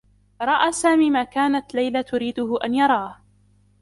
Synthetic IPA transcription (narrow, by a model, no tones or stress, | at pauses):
ɾˤɑʔaːsaːmiːmaːkaːnat̪lajlat̪ʊɾiːd̪ʊɦʊʔanjɑɾˤɑːh